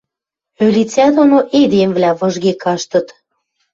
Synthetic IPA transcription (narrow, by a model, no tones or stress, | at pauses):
ølʲit͡sʲæd̪onoʔed̪emvlæβɤ̆ʒɣekɑʃt̪ɤ̆t̪